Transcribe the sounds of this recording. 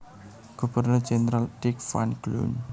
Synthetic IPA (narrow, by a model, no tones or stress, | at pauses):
ɡ̥ubərnʊrd͡ʒenəɾaldɪkfa̰nɡ̥lṵn